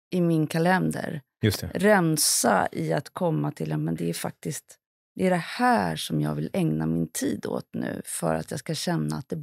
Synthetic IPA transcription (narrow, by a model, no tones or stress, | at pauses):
ʔɪmɪnkʰalɛnd̪ə̰ɾ | jɵst̪ɛɾɛmsa̰ʔɪat̪kʰɔmːat̪ʰɪlːjamɛnd̪ɛæɾfak̚t̪ɪst̪ | d̪ɛæɖɛhæːʂɔmjɑːɡvɪlɛŋnamɪnt̪ʰiːd̪o̰ːt̪nʉ̟ːfœ̰ɾa̰t̪jɑːɡskaɕɛnːaːt̪̚d̪ɛ